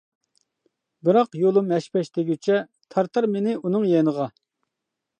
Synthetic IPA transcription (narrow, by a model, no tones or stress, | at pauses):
bɨɾɑqjolˠumɛʃpɛʃt̪ʰɪɡʲyt͡ʃʰɛ | t̪ʰɑɾt̪ɑɾmenɪunɨŋjenəʁɑ